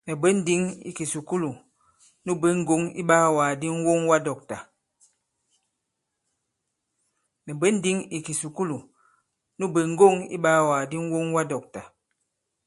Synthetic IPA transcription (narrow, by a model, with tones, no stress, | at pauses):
me˨bə˦n̩˦di˦ŋḭ˨ki˨su˨ku˦lu˨ | nu˦be˦ŋ̩˦ɡo˦ŋḭ˦ɓaː˦waː˨di˦n̩˦wo˦ŋwa˦dɔ˨k̚ta˨ | me˨bə˦n̩˦di˦ŋi˨ki˨su˨ku˦lu˨ | nu˦be˨ŋ̩˦ɡo˦˨ŋḭ˦ɓaː˦waː˨di˦n̩˦wo˦ŋwa˦dɔ˨k̚ta˨